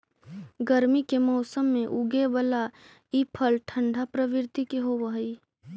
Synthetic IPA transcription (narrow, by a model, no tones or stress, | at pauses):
ɡəɾmikemɔʊsəmːẽʔuɡebəla | ipʰəlʈʰə̃ɳɖʱapɾəʋɪɾt̪ikeɦoʋəɦi